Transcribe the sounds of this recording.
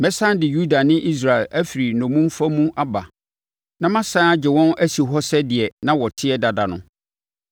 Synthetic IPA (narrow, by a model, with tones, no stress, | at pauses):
mɛ̃˦sã˦n˦dɪ˨ju˦da˨nɪ̃˦ʔi˦s̬ɾa˨ɛ˨lʔæ˦fi˨ɾi˨nɔ̃˨mũ˦m˦fa˦mũ˦ʔa˦ba̰˨ | nã˦mã˦sã˦a˦d͡ʑɪ˨wɔ̃˦næ˦si˨ɦɔ˦sɛ˦dɪ˨ɛ˨nã˦wɔ˨tʰɪ˦ɛ˦da˨da˨nʊ̰̃˦